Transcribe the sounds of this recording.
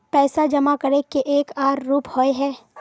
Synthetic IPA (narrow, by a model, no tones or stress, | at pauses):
pɛːsad͡ʒɐmakɐɾekeʔeːkaːɾːuːphoeɦɛː